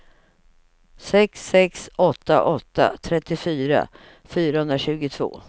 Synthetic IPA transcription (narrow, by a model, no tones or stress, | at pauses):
sɛksɛksɔt̪ːaʔɔt̪ːa̰t̪ʰɾɛt̪ːɪfyːɾa̰ | fyːɾahɵnɾaɕʉ̟ːɡʊt̪ʰv̥o̰ː